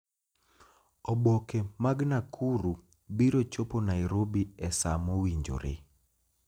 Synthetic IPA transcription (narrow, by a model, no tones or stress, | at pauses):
ɔbokemaɡnakʰuɾu | biɾot͡ʃoponajɾobiɛsa̰mowiɲd͡ʒo̰ɾɪ̰